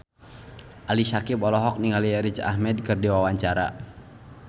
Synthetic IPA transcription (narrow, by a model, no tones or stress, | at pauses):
ʔalisakipɔlɔɦɔk̚niŋaliɛɾit͡ʃa̰hmɛd̚kɨrdiwawaɲt͡ʃaɾa̰